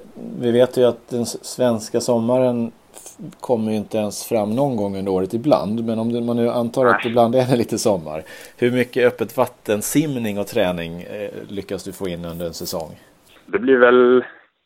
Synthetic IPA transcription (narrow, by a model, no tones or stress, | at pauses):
vɪveːt̪jɵat̪̚d̪ɛnsvɛnskasɔmːaɾən | kʰɔmːəjɪnt̪əɛnsfɾamːnɔnɡɔŋːɵnd̪əɾoːɾət̪ɪbla̰nd̪mɛnɔmd̪ɛmanːʉ̟ːʔant̪ʰɑːɾat̪ɛbland̪ɛd̪ɛliːt̪əsɔmːa̰ɾhɵɾmʏkːəœpːət̪vat̪ːənsɪmnɪŋɔt̪ʰɾɛːnɪŋlʏkːasd̪ɵfoːɪnːɵnd̪əɾɛnsɛsɔ̰ŋː | d̪ɛblɪɾvɛl